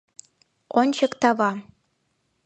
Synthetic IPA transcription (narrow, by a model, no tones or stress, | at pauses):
onʲt͡ɕɤ̆kt̪ɑvɑ